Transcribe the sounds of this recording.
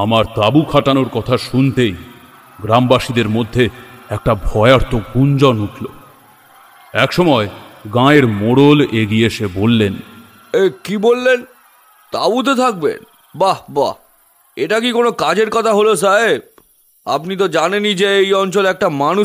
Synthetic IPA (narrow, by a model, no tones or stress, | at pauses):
amaɾt̪abukʰaʈanoɾkɔt̪ʰaʃunt̪ej | ɡɾambaʃid̪eɾmod̪ʱːeɛk̚ʈabʱɔeaɾt̪ʰoɡund͡ʑɔnuʈʰlo | ɛkʃɔmɔeɡãeɾmoɽoleɡieʃebolːen | ekibolːen | t̪abut̪̬et̪ʰak̚bḛn | baba | eʈakikonokad͡ʑeɾkɔt̪ʰaɦolos̬aeb̚ | a̰pnit̪̬od͡ʑanenid͡ʑeejɔnt͡ɕolɛk̚ʈamanu